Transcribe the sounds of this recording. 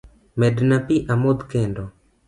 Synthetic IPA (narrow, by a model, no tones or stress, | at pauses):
mɛdnapiʔamod̪kɛndɔ